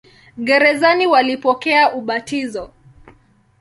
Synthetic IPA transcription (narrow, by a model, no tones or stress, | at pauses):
ɠɛɾɛzaniwalipɔkɛaʔuɓatizɔ